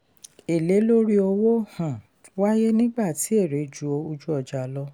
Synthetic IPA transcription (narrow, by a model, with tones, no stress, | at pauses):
e˨le˨˦lo˦ɾi˦o˧wo˦hã˨ | wa˦je˦nĩ˦ɡ͡ba˦˨ti˨˦e˦˨ɾe˨˦d͡ʒu˨o˧u˧d͡ʒu˦ɔ˧d͡ʒa˨˧lɔ˧